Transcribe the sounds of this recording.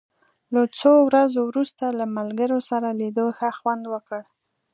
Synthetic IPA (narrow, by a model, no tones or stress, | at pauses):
lat͡sowɾazowɾust̪alamalɡəɾosaɾaled̪oxaxwand̪wəkəɽ